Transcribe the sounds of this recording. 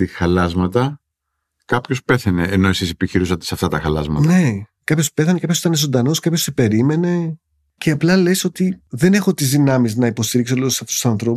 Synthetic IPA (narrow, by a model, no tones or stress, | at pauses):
t̪ixɐlɐzmɐt̪ɐ | kɐpço̞spe̞θɐne̞ːno̞e̞sisepiçiɾusɐt̪esɐft̪ɐt̪ɐxɐlɐ̰zmɐ̰t̪ne̞kɐpço̞spe̞θɐnekɐpçosit̪ɐnezo̞nd̪ɐno̞skɐpço̞sepe̞ɾime̞ne̞ | ce̞ɐplɐle̞so̞t̪iðe̞ne̞xo̞t̪izðinɐmiznɐipo̞st̪iɾiksolosɐfot̪u̥sɐnθɾo̞p